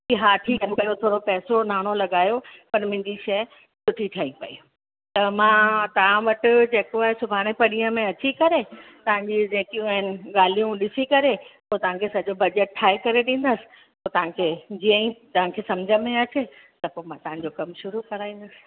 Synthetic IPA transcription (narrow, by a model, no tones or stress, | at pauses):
kiɦaːʈʰiːkɐ̃kɐjot̪ʰoːɽopɛːsonaːɽ̃olɐɠaːjopɐɾmɪ̃ɲd͡ʑiʃɐ | sʊʈʰiʈʰijaːipɐ̰i | t̪ɐmãːt̪ɐʋ̤ãʋɐʈʊ̆d͡ʑeːkoaɦesʊbʱaːɽ̃ẽpɐɽiə̃mẽɐt͡ɕikɐɾet̪ɐʋ̤ãɲd͡ʑid͡ʑẽːkijũɐɦɪnɪ̆ɠaːl̤ijũɗɪsikɐɾepoːt̪ɐʋãkʰesɐʄobɐd͡ʑəʈ̚ʈʰːaːekɐɾeɗĩːn̆d̪əsɪ̥̆ | poːt̪ɐʋ̤ãkʰeːd͡ʑiːə̃ĩt̪ɐʋ̤ãkʰeːsɐmd͡ʑʱəmẽɐt͡ɕʰet̪ɐpomãt̪ɐʋ̤ãɲd͡ʑokɐmʃʊɾukɐɾaːĩːnd̪əsɪ̥̆